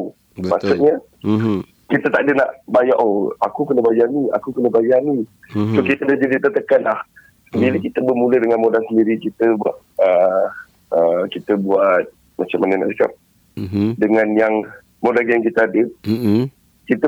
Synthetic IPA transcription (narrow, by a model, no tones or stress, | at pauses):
maʔsuɲə | kit̪ət̪aʔdənaʔbajaʔoakukənəbajania̰kukənəbajani | sokit̪ədahd͡ʒadit̪ət̪əkanlah | səndiləkit̪əbəmulədəŋanmodansəndiɾikit̪əba̰ʔ | ə | əkit̪əbuat̪̚ | mat͡ʃamanənaʔsəka̰p̚ | dəŋanjaŋ | modanjaŋkit̪əadə | kit̪ə